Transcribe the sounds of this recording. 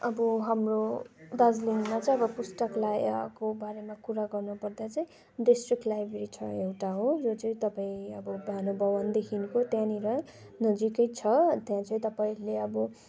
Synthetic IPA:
ʌbʌɦamrod̪ʌd͡zliŋmat͡sʌĩʌbʌpusʈʌklajkobaɾemakuɾaɡʌrnupʌrd̪at͡sʌĩ | ɖisʈrik̚ʈlajbeɾit͡sʰʌewʈaɦod͡zot͡sʌĩt̪ʌpaĩʌbʌbʱanobʱʌwʌnd̪ekʰinkot̪jãniɾʌnʌd͡zikʌjt͡sʰʌt̪jãt͡sʰʌĩt̪ʌpaĩɾuleʌbʌ

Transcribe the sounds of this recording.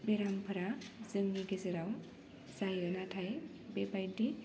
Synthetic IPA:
beɾampʰɯɾazɯŋːiɡezɯɾaw | zajɯnatʰaj | bebajdi

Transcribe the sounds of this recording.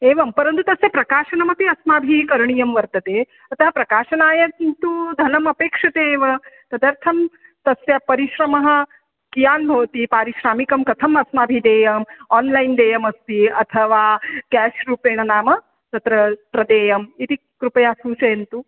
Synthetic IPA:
eːʋɐmpɐɾɐnt̪ut̪ɐsjɐpɾɐpkaːʃɐnɐmɐpiɐsmaːbʱiːkɐɾɳijɐmʋɐɾt̪ɐt̪eː | ɐt̪ɐɦɐpɾɐkaːʃɐnaːjɐkint̪ud̪ʱɐnɐmɐpeːkʂɐt̪eːʋɐt̪ɐd̪ɐɾt̪ʰɐmt̪ɐsjɐpɐɾiʃɾɐmɐɦɐ̆ | kijaːnbʱɐʋɐt̪ipaːɾiʃɾaːmikɐmkɐt̪ʰɐmɐsmaːbʱiːd̪eːjɐmaːnlaind̪eːjɐmɐst̪iɐt̪ʰɐʋaːkæːʃɾuːpeːɳɐnaːmɐ | t̪ɐt̪ɾɐt̪ɾɐd̪eːjɐmit̪i | kɾupɐjaːsuːt͡ʃɐjɐnt̪u

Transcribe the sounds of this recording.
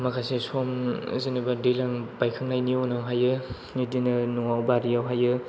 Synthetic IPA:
makʰasesomzinibadilaŋbajkʰɯŋnajnionɔŋɦajɯ | nidinɯnuŋawbaɾijawɦajɯ

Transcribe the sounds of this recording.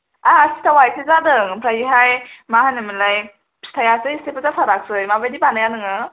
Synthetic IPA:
asi̥tʰawajkʰɯzadɯŋpʰɾajiɦajmahanɯmilaj | stʰajasɯistepɯzasʰaɾak̚sɯjmabajdibanajanɯŋɯ

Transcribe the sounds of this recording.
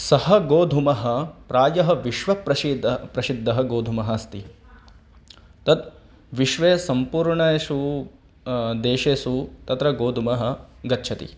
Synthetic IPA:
sɐhɐ̆ɡoːd̪ʱumɐɦɐ̆pɾaːjɐɦɐ̆ʋiʃʋɐpɾɐʃid̪pɾɐsid̪ʱːɐɦɐɡoːd̪ʱumɐɦɐɐst̪i | t̪ɐt̪̚ | ʋiʃʋeːsɐmpuːɾɳɐeʃu | d̪eːʃeːsut̪ɐt̪ɾɐɡoːd̪ʱumɐɦɐ̆ɡɐtːt͡ʃʰɐt̪ḭ

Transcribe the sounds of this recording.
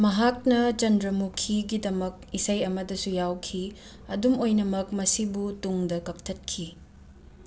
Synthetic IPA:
mɐɦak̚nɐt͡ʃɐndɾɐmukʰiɡidɐmɐk̚isɐjɐmɐdɐsujawkʰi | ɐdumojnɐmɐkmɐsibutuŋdɐkɐk̚tʰɐt̚kʰi

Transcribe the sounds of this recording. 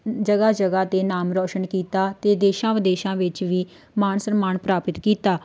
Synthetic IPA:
d͡ʒəɡaːd͡ʒəɡaːt̪eːnaːmɾɔːʃənkiːt̪aːt̪eːd̪eːʃãːʋəd̪eːʃãːʋɪt͡ʃʋiː | maːnsəmaːnpɾaːpɪt̪kiːt̪aː

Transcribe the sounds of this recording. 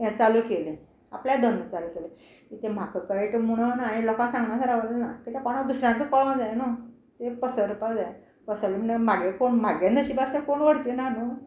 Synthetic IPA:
jãt͡saluːkelẽ | a̰pljad̪ʱənət͡saluːkele | kit̪em̤akəkəeʈemuɽ̃ənaɦilɔkãsãŋɡnasaɾaʋəlnakit̪ekɔɽ̃ad̪usɾjãnt̪ikɔɭond͡zajno | t̪epəsəɾupad͡zaj | pəsəlem̤əɳemaɡekoɳm̤aɡand̪əɕibast̪ekoɳʋəɽt͡ɕ̪enano

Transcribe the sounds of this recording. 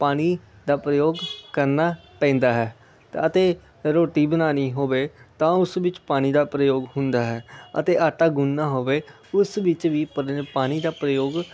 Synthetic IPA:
paːñiː | d̪aːpɾəjoːɡkəɾnaːpɛ̃ːnd̪aːɦɛː | t̪aət̪eː | ɾoːʈiːbənaːniːɦoːʋeːt̪ãːʊsʋɪt͡ʃpaːñiːd̪aːpɾəjoːɡhʊnd̪aːɦɛːə̰t̪eːʔaːʈaːɡʊnːaːɦoːʋeː | ʊsʋɪt͡ʃʋiːppaːñiːd̪aːpɾəjoːɡ

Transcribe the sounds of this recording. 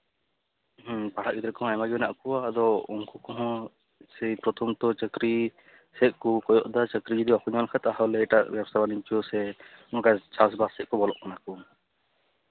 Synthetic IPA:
ɦpaɽ̤aʔɡid̪ɾɛkɔɦɔ̃ajmaɡinaʔkuwaːd̪ɔuŋkukɔɦɔ̃ | sɛjpɾɔt̪ʰɔmt̪ɔt͡ʃəkɾi | sɛʔ̚kukɔjɔʔd̪at͡ʃəkɾid͡ʒɔd̪iakuɲɔlkʰɛt̪aɦɔlɛɛʈaʔbjabsabaniɲt͡ʃɔsɛnɔkajt͡ʃas̬basɛʔ̚kɔbɔlɔʔkanaku

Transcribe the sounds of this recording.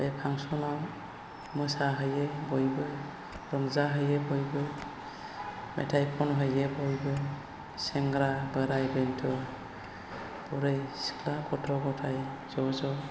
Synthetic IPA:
bepʰaŋsɔnaw | mɔsaɦɯjebɔjbɯ | ɾɔŋzaɦɯjebɔjbɯ | mɛ̰tʰajpʰɔnɦɔjebɔjbɯ | sɛŋɡɾabəɾajbɛntʰɔ | bɔɾɯjsi̥kʰlakɔtʰɾɔɡɔtʰajzɔzɔ

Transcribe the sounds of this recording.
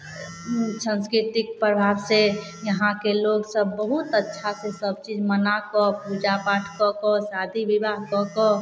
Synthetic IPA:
sə̃nskɾɪt̪ɪk̚pɾəbʱaːbse | jəɦãkeloɡsəbːəɦut̪ətːʃʰasesəbt͡ʃid͡ʒmənakɔpud͡ʒapaʈʰkɔkɔsad̪ʱiʋibaɦkɔkɔ

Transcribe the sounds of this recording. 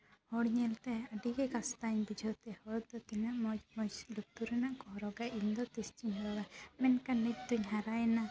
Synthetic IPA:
hɔɽɲɛlt̪ɛəɖiɡɛkast̪aɲbid͡ʒʱɔt̪ɛhɔɽd̪ɔt̪inaʔmɔd͡ʒmɔsluk̚t̪uɾɛnaʔkɔɦɾɔɡaʔind̪ɔt̪ist͡ʃiɲɾɔɡamɛnkanic̚d̪uɲɦaɾajɛna

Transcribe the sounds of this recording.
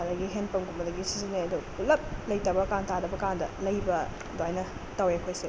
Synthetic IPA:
alajɡiɦenpɐmɡumbɐdɐɡisizineɐdupulɐp̚lɐjtɐbɐkaŋtadɐbɐkandɐ̰lɐjbɐ | doajnɐ | taweɐkʰojse

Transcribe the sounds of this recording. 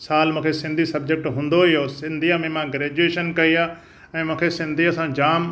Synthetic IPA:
saːlmũːkʰesɪ̃nd̪ʱisɐbd͡ʑek̚ʈɦũːn̆d̪oɪjosɪ̃nd̪ʱiamẽmãɡɾeːd͡ʑueːʃənkɐiaː | ɛ̃ːmũːkʰesɪ̃nd̪ʱiɐsãd͡ʑaːm

